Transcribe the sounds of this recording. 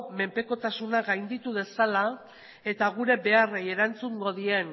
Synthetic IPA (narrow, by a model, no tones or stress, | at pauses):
me̞mpe̞ko̞t̪asunaɡajnd̪it̪uð̞e̞sala | e̞t̪aɣ̞uɾe̞be̞areje̞ɾant͡suŋɡo̞ðien